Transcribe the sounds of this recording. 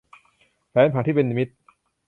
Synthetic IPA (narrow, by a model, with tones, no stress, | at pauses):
pʰɛː˨˦npʰaː˨˩t̪iː˥˩e˧ni˧mi˦˥t̪̚